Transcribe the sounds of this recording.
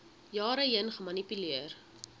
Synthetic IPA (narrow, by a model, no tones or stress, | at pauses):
jɑːɾəɦiənχəmɐnipyliər